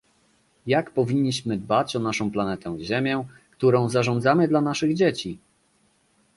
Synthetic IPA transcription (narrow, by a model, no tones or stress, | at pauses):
jakpɔvʲiɲʲːiɕmɘd̪bat͡ɕɔnaʂɔ̃w̃planɛt̪ɛw̃ʑemʲjɛkt̪uɾɔ̃w̃zaʐɔ̃nd̪zamɘd̪lanaʂɘɣd͡ʑet͡ɕi